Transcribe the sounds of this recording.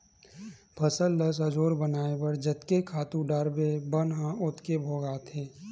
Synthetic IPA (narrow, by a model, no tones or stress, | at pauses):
pʰəsəlːəsəd͡ʒoːɾbənaːebəɾd͡ʒət̪kekʰaːt̪ũɖaːɾbebənɦãʊt̪kebʱoːɡaːt̪ʰeː